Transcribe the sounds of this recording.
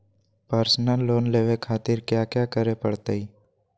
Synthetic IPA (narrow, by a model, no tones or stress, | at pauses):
pəɾsnəlːoːnleːʋekʰaːt̪ɪɾkjaːkjaːkəɾepəɽt̪aiː